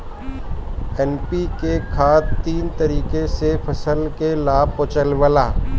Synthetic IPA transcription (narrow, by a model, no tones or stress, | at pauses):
ɛːnpikekʰaːd̪t̪iːnt̪əɾiːkesepʰɐsəlkelaːb̚pot͡ʃəlʋəlaː